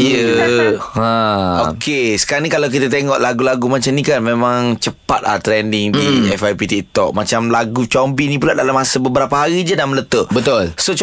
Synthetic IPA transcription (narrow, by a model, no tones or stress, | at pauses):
jə | ãokʰesə̥kaanikalawk̬it̪at̪eŋɔʔlaɡulaɡumat͡ʃamnikanmẽmãŋt͡ʃəpat̪̚la̰ht̪ɾɛndɪŋdiɛfajpit̪ik̚t̪ɔʔ̚mat͡ʃamlaɡut͡ʃɔmbinĩpulaʔdalamːãsəbəbəɾapaɦaɾid͡ʒadamələt̪əʔbət̪ulsot͡ʃ